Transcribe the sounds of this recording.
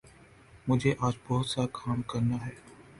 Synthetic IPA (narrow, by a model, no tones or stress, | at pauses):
mʊd͡ʒʱeʔaːd͡ʒbɔɦːʊt̪sakʰaːmkɐɾnaɦɛː